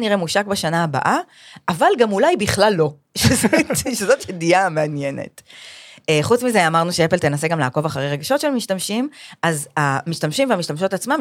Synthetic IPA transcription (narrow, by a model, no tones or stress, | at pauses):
niʁemuʃakbeʃanaːba̰ʔa | avalɡamulajbiχlalːo̞ | ʃezotʃezot̪jediameanjene̞̰t | eχut͡smizeamaʁnuʃeepelt̪enaseɡamlaːko̞vaχaʁejʁeɡaʃo̞tʃelmiʃtamʃimʔazamiʃtamʃimveamiʃtamʃo̞tat͡smam